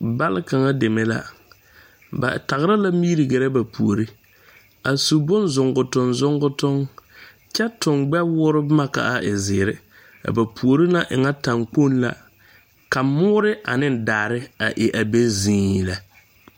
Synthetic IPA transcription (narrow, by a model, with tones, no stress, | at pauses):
ba˦lɪ˦ka˨ŋa˦de˨me˦la̰˦ | ba̰˨ta˨ɣɾa˦la˦miː˦ɾi˨ɡɛ˨ɾɛ˦ba˨pʰu˨o˨ɾi˦ | a˨su˨bʊ˦nzʊ˨ŋɡʊ˨tʊ˨nzʊ˦ŋɡʊ˦tʊ˦ŋ | t͡ʃɛ˦tʊ˨ŋɡ͡bɛ˦wʊː˦ɾɪ˦ma˦ka̰˨ʔa˦˨ʔɪ˨zɪː˨ɾɪ˦ | a̰˨ba˨pʰu˨o˨ɾi˦na˦ʔɪ̰˨ŋa˦ta˨ŋk͡po˦nla̰˨ | ka˨mʊː˦ɾɪ˦ʔa̰˨nɪ˦n˨daː˨ɾɪ˦a̰˨ʔɪ˨ʔa˨be˦zĩː˦la˨